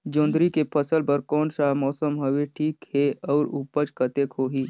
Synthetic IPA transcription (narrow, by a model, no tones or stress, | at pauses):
d͡ʒõːnd̪ɾikepʰəsəlpəɾkɔːnʃaːmɔːsəmɦəʋeʈʰiːkheɔːɾupət͡ʃkɐt̪ekɦoːɦiː